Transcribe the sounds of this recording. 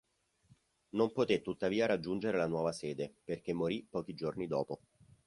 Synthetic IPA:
nompot̪et̪ːut̪ːaviːaɾad͡ʒːund͡ʒeɾelanwɔːvasɛːd̪eperk̟emːoɾipːɔːk̟id͡ʒornid̪ɔːpo

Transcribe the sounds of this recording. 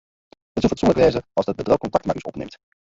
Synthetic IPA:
ətufətsɔnləkʋejzəɑlˠzdəd̚bədrowkɔntɑktmakisɔ̰pnḛmt

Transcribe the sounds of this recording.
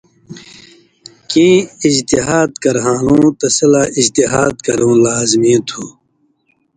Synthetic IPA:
kĩːid͡ʑt̪iɦaːd̪kɐɾɦãːlũːt̪ɐsɐlaːid͡ʑt̪iɦaːd̪̚kɐɾũːlaːzmĩːt̪ʰuː

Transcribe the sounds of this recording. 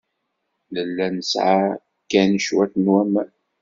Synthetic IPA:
ləlːænəsʕa | kːænəʃwæθnwæmæ

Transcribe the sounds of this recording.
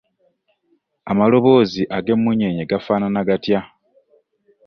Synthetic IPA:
amalo̞βo̞ːziʔaɡe̞mːuɲe̞ɲeɡafaːnanaɡatja

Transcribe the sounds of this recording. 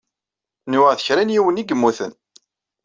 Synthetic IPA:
nuəʁθəçɾænjiwəniɡəmːuθə̰n

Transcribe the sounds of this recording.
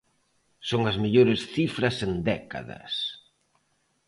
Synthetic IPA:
soŋɐzmeʎoɾɪsθifɾɐsend̪ɛka̰ðɐ̰s

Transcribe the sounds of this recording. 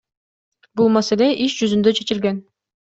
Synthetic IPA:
bulˠmaselʲeʔiʃd͡ʒyzynd̪øt͡ʃʰe̞t͡ʃilɡen

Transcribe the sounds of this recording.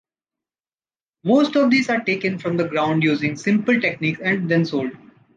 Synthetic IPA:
moːsʈɔʋd̪iːzaːɾʈeːkə̃nfɾɔ̃md̪əɡɾãʊ̃ɳɖjuːzɪ̃ŋsɪ̃mpəlʈekniːkɛ̃ɳɖd̪ɛ̃nsoːlɖ

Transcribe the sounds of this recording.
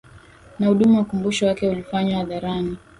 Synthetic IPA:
nahuɗumuwakumbuʃɔwakɛulifaɲwahaðaɾani

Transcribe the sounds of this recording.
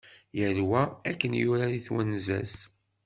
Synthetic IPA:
jəɾwæækːənjʊɾaɾiθwænzæ̰s

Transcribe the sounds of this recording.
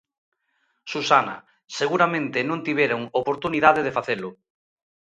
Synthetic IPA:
susanɐ̰ | seɣuɾamẽnt̪ɪnõŋt̪iβjeɾoŋopoɾt̪uniðaðeðefaθelʊ

